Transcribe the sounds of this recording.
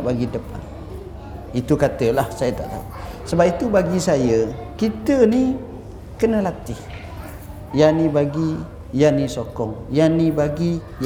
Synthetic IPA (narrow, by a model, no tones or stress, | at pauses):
baɡidəpa̰n | it̪ukat̪əlahsajət̪a̰ʔt̪a̰usəbap̚it̪ubaɡisajəkit̪əni | kənəlat̪ɪh | janibaɡi | janisokɔŋjanibaɡi